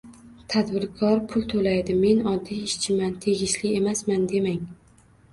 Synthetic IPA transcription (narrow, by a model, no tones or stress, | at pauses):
t̪ʰad̪bɪɾkʰɒɾpʰʊlˠt̪ʰolajd̪ɪme̞nɒd̪ːiɪʃt͡ʃʰɪmant̪ʰe̞ɡʲɪʃlɪe̞masmand̪e̞maŋ